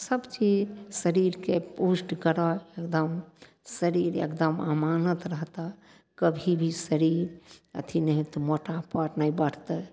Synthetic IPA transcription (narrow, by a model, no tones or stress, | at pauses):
səbt͡ʃid͡ʒsəɾiɾkepusʈkəɾɔekd̪əm | səɾiɾḛkd̪əma̰manət̪ɾəɦt̪a | kəbʱibʱisəɾiɾə̰t̪ʰinəɦit̪ɔmoʈapəɾnəjbəɽ̤t̪ə